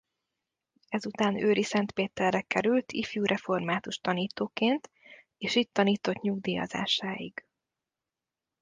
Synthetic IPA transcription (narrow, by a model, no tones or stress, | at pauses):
ɛzut̪aːnøːɾisɛnt̪peːt̪ɛrːɛkɛɾylt̪ʰifjuːɾʔɛfo̞rmaːt̪uʃt̪ɒniːt̪oːkeːnt̪ | eːʃic̚t̪ːɒniːt̪o̞t̪ɲuɡd̪iːɒ̰za̰ːʃaːjḭɡ